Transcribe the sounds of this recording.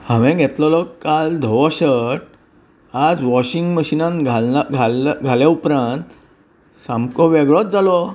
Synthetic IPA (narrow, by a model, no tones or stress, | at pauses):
hãʋɛ̃ɡʱɛt̪lɔlɔkːald̪ʱɔʋɔɕəʈ | ad͡zʋɔɕiŋɡməɕinãnɡʱaɡʱaɡʱaljaupɾãnt̪ | sãmkɔʋɛɡɭɔt̪̚d͡zalɔ